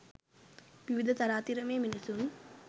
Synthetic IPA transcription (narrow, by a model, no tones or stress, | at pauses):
ʋiʋid̪ʱɐt̪ɐɾaːt̪iɾɐmeːminisun